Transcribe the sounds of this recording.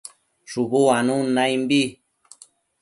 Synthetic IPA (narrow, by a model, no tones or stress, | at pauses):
ʂuβuanũnajmbi